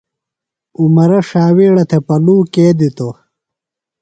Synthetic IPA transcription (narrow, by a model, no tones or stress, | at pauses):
umɐɾɐʂaːwiːɽɐt̪ʰepɐluːkeːd̪it̪o